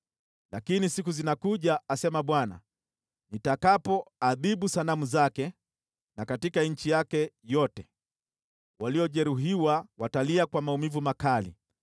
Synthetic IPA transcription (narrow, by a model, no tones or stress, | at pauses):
lakinisikuzinakuʄaasɛmaɓwana̰ | nitakapɔaðiɓusanamuzakɛ | nakatikaɲ̩t͡ʃijakɛjɔtɛ | waliɔʄɛɾuɦiwawataliakwamaumivumakalḭ